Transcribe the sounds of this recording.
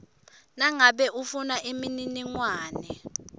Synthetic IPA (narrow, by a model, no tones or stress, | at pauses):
naŋaɓɛʔufunaʔimininiŋwaːnɛ